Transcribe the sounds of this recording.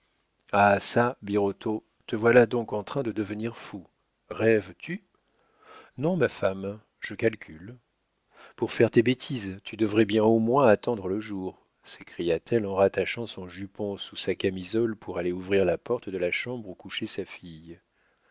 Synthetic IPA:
asabiʁɔt̪ʰo | t̪əvwalad̪ɔ̃kɑ̃t̪χɛ̃d̪əd̪əvəniʁfu | ʁɛvt̪ʰy | nɔ̃mafam | ʒ̥əkalkʲʰyl | puʁfɛʁt̪ebet̪ʰizt̪yd̪əvʁɛbjɛ̃omwɛ̃at̪ɑ̃d̪ʁələʒuʁ | sekχijat̪ʰɛlɑ̃ʁat̪aʃɑ̃sɔ̃ʒypɔ̃susakamizɔlpʰuʁaleuvʁiʁlapɔʁt̪d̪əlaʃɑ̃bʁukuʃesafij

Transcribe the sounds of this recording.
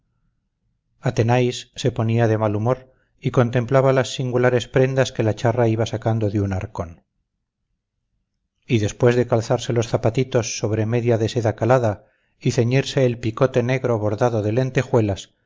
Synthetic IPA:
at̪e̞najsːe̞po̞niaðe̞malumo̞ɾ | iko̞nt̪e̞mplaβalasːiŋɡulaɾe̞spɾe̞nd̪aske̞lat͡ʃaraiβasakand̪o̞ðeunaɾko̞n | iðe̞spwe̞zðe̞kalθaɾse̞lo̞sθapat̪it̪o̞sːo̞βɾe̞me̞ðjaðe̞se̞ðakalaða | iθe̞ɲiɾse̞ːlpiko̞t̪e̞neɣɾoβo̞ɾðaðo̞ðe̞le̞nt̪e̞xwe̞las

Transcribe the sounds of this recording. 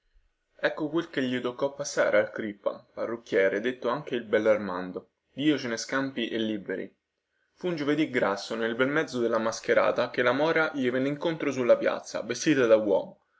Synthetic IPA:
ɛkːokwelkeʎːit̪okːɔpːasːa̰ːɾealkɾipːa̰parːok̟ːjɛːɾed̪et̪ːoaŋk̟eilbɛlːarmand̪o | d̪iːot͡ʃeneskampiʔelːibeɾḭ | fund͡ʒoved̪iɡɾasːonelbɛlmɛd̪zːod̪elːamask̟eɾa̰ːt̪ak̟elːamɔːɾaʎivɛnːeiŋkont̪ɾosulːapja̰t̪sːa̰vest̪iːt̪ad̪aɡwɔ̰ːm

